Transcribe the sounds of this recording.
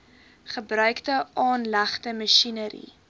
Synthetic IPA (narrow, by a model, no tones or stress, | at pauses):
χəbrœɥktəʔɑːnlæχtəməʃinəɾḭ